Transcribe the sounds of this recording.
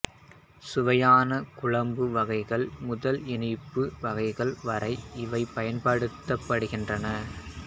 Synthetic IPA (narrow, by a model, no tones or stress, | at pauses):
sʊʋɐjaːnɐkʊɻɐmbɯʋɐɣɐɪɣɐɭmʊðɐlɛnɐɪpːɯʋɐɣɐɪɣɐɭʋɐɾɐɪɪʋɐɪpɐjɐnpɐɽɯt̪ːɐpːɐɽɯɣɪndrɐnɐ